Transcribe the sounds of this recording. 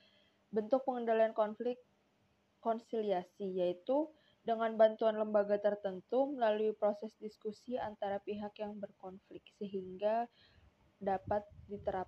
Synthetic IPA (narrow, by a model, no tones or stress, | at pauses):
bənt̪ʊk̚pəŋəndaliankɔnflɪkː | ɔnsiliasijait̪u | dəŋanbant̪uanləmbaɡat̪ərt̪ənt̪uməlaluipɾosɛsdiskusiant̪aɾapiɦakjaŋbərkɔnflɪk̚səɦiŋɡa | dapat̪̚dit̪əɾap̚